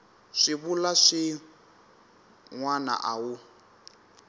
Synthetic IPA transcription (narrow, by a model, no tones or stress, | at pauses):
ʂiβulaʂi | ŋwana̰ʔawu